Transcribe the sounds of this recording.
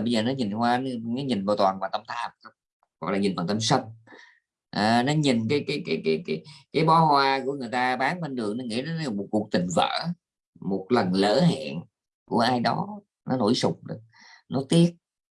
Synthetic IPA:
ɓə˧jzəː˨˩nɔ˨˦ɲi˨˩nhwaː˧n˧nɔ˨˦ɲi˨˩nɓaː˨˩t̪waː˨˩nvaː˨˩t̪ə˧mt̪ʰaː˧˨˩ə˧wŋ͡m | ɣɔ̰˧˨jlaː˨˩ɲi˨˩nvaː˨˩t̪ə˧msə˧n | ʔəː˨˩nɔ˨˦ɲi˨˩nkaː˨˦jkaː˨˦jka˨˦ka˨˦kːkaː˨˦jɓɔ˨˦hwaː˧ku˧˩əŋɨ˨˩əjt̪aː˧ɓaː˨˦nɓə˧nɗɨ˨˩əŋnɔ˨˦ŋḭ˧˥nɔ˨˦˨mo˨˩t̚ku˨˩k̚t̪ï˨˩ŋ̟və̰ː˧˨ | mo˨˩t̚lə˨˩nlə̰ː˧˥hɛ̰˧˨n | ku˧˩əʔaː˧jɗɔ˨˦ | nɔ˨˦no̰˧˩jsʊ˨˩ŋ͡m̚ɗɨ̰˨˩ək̚ | nɔ˨˦t̪i˦˥ət̚

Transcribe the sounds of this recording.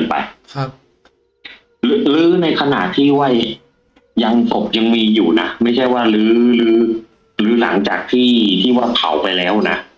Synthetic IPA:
npa̰˧jʰ | lɯ˦˥lɯː˦˥na˧jkʰa˧na̰˨˩t̪ʰiː˥˩wa˥˩j | ja˧ŋko˨˩p̚ja˧ŋmiː˧juː˨˩na˦˥ma˥˩jt͡ɕʰa˥˩jwaː˥˩lɯː˦˥lɯː˦˥ | lɯː˩˦˥la˩˦ŋt͡ɕa̰ː˨˩k̚t̪ʰiː˥˩t̪ʰiː˥˩waː˥˩p̪ʰa̰˩˦wpa˧jlɛː˦˥wna˦˥ʔ

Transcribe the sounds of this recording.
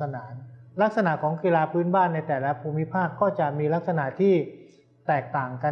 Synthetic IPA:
a˧naː˩˦nla˦˥k̚sa˧na˨˩ʔkʰɔː˩˦ŋki˧laː˧pʰɯː˦˥nbaː˥˩nːa˧jt̪ɛː˨˩lɛ˦˥pʰuː˧mi˦˥pʰaː˥˩p̚kːɔː˥˩t͡ɕa˨˩miː˧la˦˥k̚sa˧na˨˩ʔt̪ʰiː˥˩ | t̪ɛː˨˩k̚t̪aː˨˩ŋka˧

